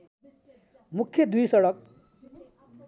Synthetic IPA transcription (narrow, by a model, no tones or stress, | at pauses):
mukʰːjʌd̪ujsʌɽʌk̚